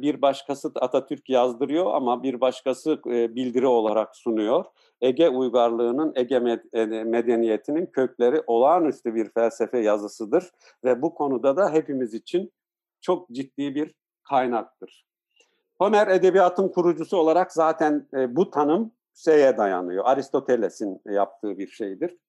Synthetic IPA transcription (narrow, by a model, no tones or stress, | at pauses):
biɾbaʃkʰasɯat̪ʰat̪ʰyɾcjazd̪ɯɾɯjo̞a̰mabiɾbaʃkʰasɯbilʲd̪iɾio̞lˠaɾaksunujo̞ɾ̥ | eɟɛujɡaɾlˠɯːnɯneɟɛmed̪enije̞t̪ʰinincʰø̞cʰlʲe̞ɾiʔo̞lˠaːnyst̪ʰybiɾfælʲsefɛjazɯsɯd̪ɯɾ̥ | vɛbukʰo̞nud̪ad̪aɦe̞pimizit͡ʃʰin | t͡ʃʰo̞k̚d͡ʒit̪ːiːbiɾ | kʰajnak̚t̪ɯɾ̥ | ho̞næɾe̞d̪e̞bijat̪ʰɯnkʰuɾud͡ʒusuo̞lˠaɾakzaːt̪ʰænːbut̪ʰanɯm | sejɛd̪aja̰nɯjo̞̰ʔaɾist̪ʰo̞t̪ʰelʲesinjap̚t̪ʰɯːbiɾʃe̞jd̪iɾ̥